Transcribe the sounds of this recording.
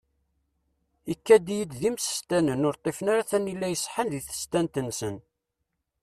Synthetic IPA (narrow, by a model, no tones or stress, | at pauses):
ikːæd̪ijid̪ðimsə̥st̪ænənʊɾt̪ˤːefənaɾaθænilːæjəsˤħanðiθə̥st̪ænt̪ənsən